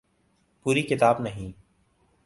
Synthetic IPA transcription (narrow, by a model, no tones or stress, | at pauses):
puːɾikɪt̪aːbnɐɦĩː